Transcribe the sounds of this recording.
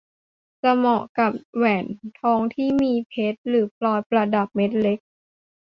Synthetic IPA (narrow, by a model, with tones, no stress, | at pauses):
t͡ɕa˧mɔ˨˩ka˨˩p̚wɛː˨˩nt̪ʰɔː˧˥ŋt̪ʰiː˥˩miː˧pʰe˦˥t̪̚lɯː˩˦pʰlɔː˧jpɾa˧da˨˩p̚me˦˥t̪̚le˦˥k̚